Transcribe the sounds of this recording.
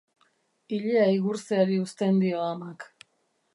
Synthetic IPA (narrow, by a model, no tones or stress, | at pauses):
iʎeaiɣuɾseaɾiust̪e̞nd̪ioamak